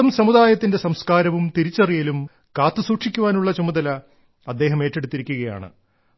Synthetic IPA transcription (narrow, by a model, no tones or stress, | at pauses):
ɐmsɐmud̪aːjɐt̪ːinde̞sɐmskaːɾɐʋumt̪iɾit͡ɕːɐrijilum | kaːt̪ːɨsuːʈʂikʲːuʋaːnuɭːɐt͡ɕɐmud̪ɐlɐ | ɐd̪ːe̞ːɦɐme̞ːtːe̞ɽut̪ːiɾikʲːuɣɐja̰ːɳɨ̰